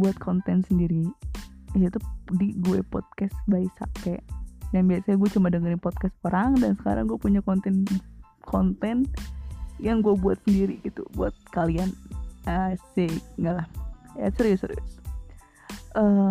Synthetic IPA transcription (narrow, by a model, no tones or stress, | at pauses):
buat̪̚kʰɔnt̪ɛnsəndiɾi | jat̪udiɡuɛpɔ̰d̪̚kasbaisa̰kɛjaŋbiasaɲaɡuɛt͡ʃumadəŋəɾɪŋpɔt̪̚kas̚pəɾaŋdansə̥ka̰ɾa̰ŋɡuapuɲakɔnt̪ɛn | kʰɔnt̪ɛn | jaŋɡuɛbuat̪̚səndiɾiɡit̪ṵbua̰t̪̚kalianasek̚ŋɡalahja̰səɾiʊsəɾiʊs | ʔə